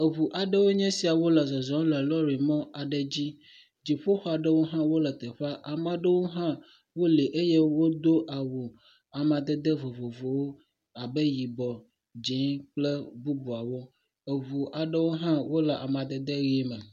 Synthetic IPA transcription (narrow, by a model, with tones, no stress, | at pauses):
e˨βu˨ʔa˨ɖə˦wo˦ɲɛ̃˦si˨a˨wo˦lə˨zɔ˨zɔ̃˨˦lə˨lɔ˦ɾi˨mɔ̃˦a˨ɖə˨d͡ʑi˦ | d͡ʑi˨ɸo˦xɔ˦a˨ɖə˦wo˦ɦã˦wo˦lə˨t̪ə˨ɸa˦ʔa˨mã˨ɖə˦wo˦ɦã˦ | wo˦le˨ʔe˦je˦wo˦d̪o˦ʔa˨wu˨ | a˨mã˨d̪ə˦d̪ə˦vo˨vo˨vo˨wo˦ | a˨bə˦ji˨bɔ˨ | d͡ʒɛ˨˦k͡plə˦bu˦bu˨a˨wo˦ | e˨βu˨ʔa˨ɖə˦wo˦ɦã˦wo˦lə˨ʔa˨mã˨d̪ə˨d̪ə˦ɣi˦mɛ˨